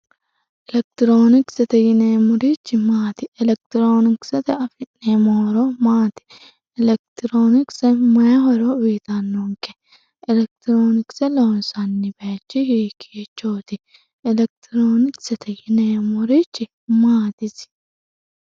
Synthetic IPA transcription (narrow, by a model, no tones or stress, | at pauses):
ʔɪlɛk̚t̪ɪɾoːnɪksɐt̪ɛjɪneːmʊɾit͡ʃːɪmaːt̪ɪɛlɛk̚t̪ɪɾoːnɪksɐt̪ɛɐfɪnneːmɔɾomaːt̪ɪ̥ | ɪlɛk̚t̪ɪɾoːnɪksɐmɐjɐɦɔɾoːʊjɪt̪ɐnːoŋkɛ | ʔɪlɛk̚t̪ɪɾoːnɪksɐloːnsɐnːɪbɐt͡ʃːɪhiːkʰeːt͡ʃːoːt̪ɪ | ɪlɛk̚t̪ɪɾoːnɪksɐt̪ɛjɪneːmʊɾit͡ʃːɪ | maːt̪ɪs